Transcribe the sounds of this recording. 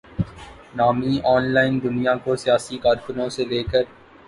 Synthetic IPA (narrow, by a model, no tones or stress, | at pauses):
naːmiʔɔːnlaːɪnd̪ʊnijakosijaːsikaːɾkʊnõseleːkəɾ